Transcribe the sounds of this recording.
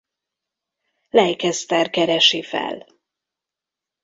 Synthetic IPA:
lɛjkɛst̪ɛrkɛɾɛʃifɛ̰l

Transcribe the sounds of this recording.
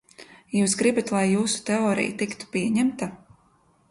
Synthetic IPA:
juːsɡɾibat̪lˠajːuːsu̥t̪ɛɔːɾḭjt̪ikt̪u̥piɛɲæmt̪a

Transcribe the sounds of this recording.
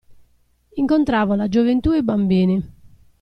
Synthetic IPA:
iŋkont̪ɾaːvɔlad͡ʒovent̪uːɛbːambiːnɪ

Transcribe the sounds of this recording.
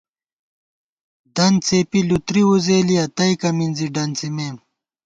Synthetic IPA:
d̪ɐnt͡seːpilut̪ɾiuzeːliɐt̪ɐikɐminziɖɐnt͡simeːm

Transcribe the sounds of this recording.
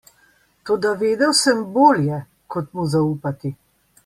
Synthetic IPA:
t̪oːd̪aʋeːd̪ɛwsɛmboːljɛ | kɔt̪muzauːpat̪i

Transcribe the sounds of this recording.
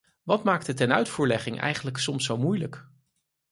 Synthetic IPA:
ʋɑtmaːk̚tətɛnœɥtfuːɹlɛχɪŋʔɛ̰jχənləksɔmsːowmujlək

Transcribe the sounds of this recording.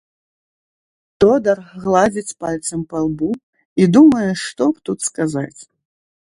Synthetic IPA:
t̪ɔd̪ɐrɣlˠad͡zʲit͡sʲpalʲt̪sɐmpalˠbu | id̪umɐjɛʂt̪ɔpt̪ut̪skazat͡sʲ

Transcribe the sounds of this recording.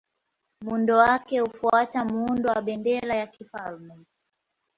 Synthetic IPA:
mundɔwakɛhufuatamundɔwaɓɛndɛlajakifalmɛ

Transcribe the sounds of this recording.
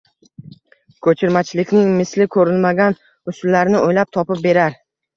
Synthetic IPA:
kʰɵt͡ʃʰɪɾmat͡ʃʰɪlɪkʲnɪŋmɪslɪkʰɵɾɪlmaɡʲan | ʊsʊlːaɾnɪʔojlap̚t̪ʰɒpɪp̚be̞ɾaɾ

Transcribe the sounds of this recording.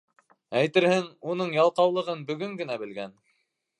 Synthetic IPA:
æjt̪ɘ̆ɾhɘŋunɤɴjɑlˠqɑwlˠɤ̆ʁɤnbɵ̆ɡɵŋɡɘ̆næbɘ̆lɡæn

